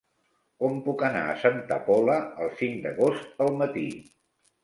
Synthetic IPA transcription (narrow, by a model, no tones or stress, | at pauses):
kɔmpukəna̰ə̰sənt̪ə̰pɔləəlˠsiŋd̪əɣost̪əlˠmət̪i